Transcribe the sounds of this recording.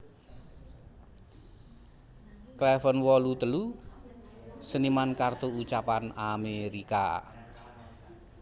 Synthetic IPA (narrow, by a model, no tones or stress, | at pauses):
klɛfənwɔlut̪əlu | sənimankart̪uut͡ʃapanameɾika̰